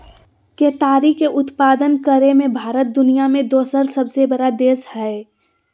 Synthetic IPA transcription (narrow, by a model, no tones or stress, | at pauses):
keːt̪aːɾikeʔʊt̪paːd̪ənkəɾemẽbʱaːɾət̪̚d̪ʊnijamẽd̪oːsəɾsəbsebɐɽad̪eːshɛ